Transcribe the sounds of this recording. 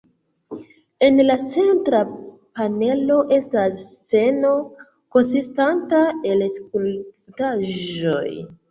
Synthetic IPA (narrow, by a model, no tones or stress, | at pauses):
e̞nlat͡se̞ntɾa | pane̞lo̞ʔe̞stas | t͡se̞no̞ | ko̞nsistantae̞lsk̚ultaʒʒo̰j